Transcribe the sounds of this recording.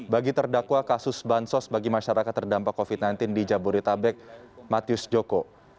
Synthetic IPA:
baɡit̪ərdakwakasʊsbansɔsbaɡimaʃaɾakat̪ːərdampakːofit̪̚najnt̪ɪndid͡ʒabuɾit̪abɛk̚mat̪iʊsd͡ʒoko

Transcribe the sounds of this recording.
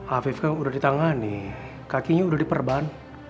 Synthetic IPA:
afifkanudahdit̪aŋani | kakiɲaudahdipərban

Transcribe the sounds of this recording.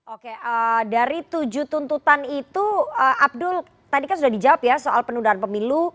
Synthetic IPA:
ʔokeʔədaɾit̪ud͡ʒut̪unt̪ut̪anit̪uəʔab̚dʊl | t̪adikansudahdid͡ʒawapjasoʔa̰lpənudaanpəmilu

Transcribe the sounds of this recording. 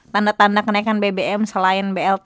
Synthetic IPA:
t̪andat̪andakənaikanbebeɛmsəlaɪnbeɛlt̪

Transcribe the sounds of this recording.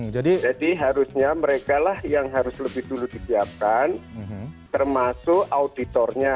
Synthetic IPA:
d͡ʒadid͡ʒadiɦaɾusɲaməɾekalahjaŋɦaɾʊsləbɪhduludisiap̚kant̪ərmasʊkaudit̪ɔrɲa

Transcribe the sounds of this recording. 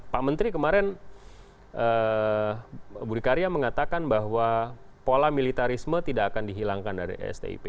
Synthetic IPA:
paʔmənt̪ɾikəmaɾɛn | ʔə | buɾikaɾiaməŋat̪akanbaɦwapolamilit̪aɾismət̪idaːkandiɦilaŋkandaɾḭʔɛ̰st̪ḛḭpe

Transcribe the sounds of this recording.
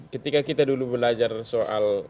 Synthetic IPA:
kət̪ikakit̪adulubəlad͡ʒarsoʔa̰l

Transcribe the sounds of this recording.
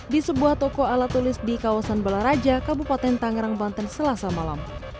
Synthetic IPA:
disəbuaht̪ɔkoalat̪ulɪsdikawasanbalaɾad͡ʒakabupat̪ɛnt̪aŋɾaŋbant̪ənsəlasamala̰m

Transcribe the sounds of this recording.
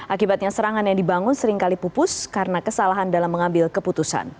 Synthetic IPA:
ʔakibat̪̚ɲasəɾaŋanjaŋdibaŋʊnsəɾɪŋkalipupʊskaɾənakəsalaɦandalamːəŋambɪlkəput̪usa̰n

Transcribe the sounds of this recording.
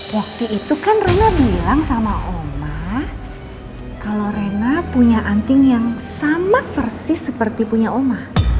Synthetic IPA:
wak̚t̪iʔit̪ukanrenabilaŋsamaʔomah | kalorenapuɲaʔant̪ɪŋjaŋsamat̪̚pərsɪsəpərt̪ipuɲaomah

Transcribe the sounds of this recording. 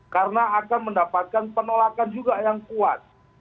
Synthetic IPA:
kaɾənaakanməndapat̪̚kanpənolakand͡ʒuɡajaŋkua̰t̪̚

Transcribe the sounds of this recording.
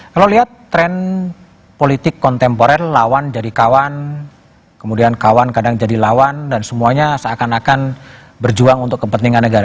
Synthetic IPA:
kaloliɦat̪ːɾɛn | polit̪ɪkːɔnt̪ɛmpoɾanlawand͡ʒadikawan | kəmudiankawankadaŋd͡ʒadilawandansəmuaɲasaakanakan | bərd͡ʒuaŋunt̪ʊkːəpənt̪iŋanːəɡaɾa

